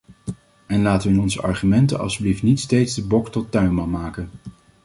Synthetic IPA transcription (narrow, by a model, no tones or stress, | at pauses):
ɛnlaːtəʋəɪnɔnzəɑ̰ɹχymɛntə̰nɑ̰lˠsbliftnitstejtzdəbɔktɔtœɥnmɑnmaːkən